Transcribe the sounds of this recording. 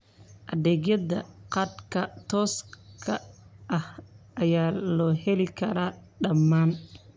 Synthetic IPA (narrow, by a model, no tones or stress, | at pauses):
ʔɐðɛːɣjɐðɐqɑd̪kʰɐt̪ʰɔːskʰɐʔɐhʔɐjaːlɔːhɛlɪkʰɐɾaːɖɐmːaːn